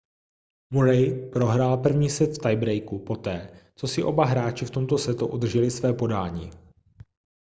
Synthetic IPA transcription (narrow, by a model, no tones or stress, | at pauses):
muɾɛjpɾo̞ɦɾalpr̩vɲiːsɛt̪ft̪ajbɾɛjkupot̪ɛːt͡so̞sɪʔo̞baɦɾaːt͡ʃɪft̪o̞mt̪o̞sɛt̪uʔud̪r̩ʒɛlɪsvɛːpo̞daːɲḭː